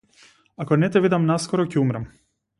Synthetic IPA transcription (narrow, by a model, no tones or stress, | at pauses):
akɔnɛt̪ɛvid̪amnaskɔɾɔcɛumɾam